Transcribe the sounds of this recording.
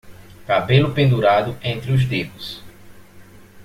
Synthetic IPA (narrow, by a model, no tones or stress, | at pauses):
kabelʊpẽnd̪uɾad̪ʊẽnt̪ɾɪʊzd̪ehʊs